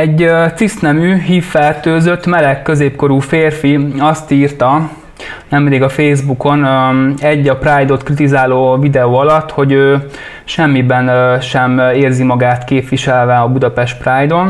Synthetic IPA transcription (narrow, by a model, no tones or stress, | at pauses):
ɛɟøt̪sist̪nɛmyɦiːfːɛrt̪øːzø̞t̪ːmɛlɛkːø̞zeːpko̞ɾuːfeːrfiɒst̪iːrt̪ɒ | nɛmːɛd̪iːɡɒfeːzbuko̞nɛɟːɒpraːjd̪o̞t̪krit̪̬izaːloːvid̪ɛoːɒlɒt̪ːho̞ɟøː | ʃɛmːibɛnʃɛmeːrzimɒɡaːt̪keːpʋiʃɛlvɛɒbud̪ɒpɛʃt̪praːjd̪o̞n